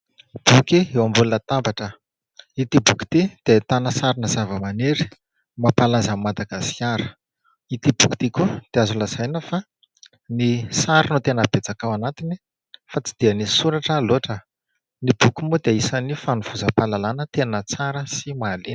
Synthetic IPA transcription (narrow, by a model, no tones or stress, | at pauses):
b̥ukiewambulunət̪ambaʈ͡ʂə | it̪ibuki̥t̪id̪̥et̪anəsaɾinəzavəmaneɾi̥ | mapalazammːad̪aɡasiaɾə̥ | it̪ibuku̥t̪ikud̪̥eazulaz̥ajnəfa | nisaɾinut̪enəbet͡sakawanat̪ini | fat͡si̥d̪̥ianisuɾaʈ͡ʂəloʈ͡ʂə | nibukumud̪eisanifanuv̥uzəpalalanət̪enət͡saɾəsimalen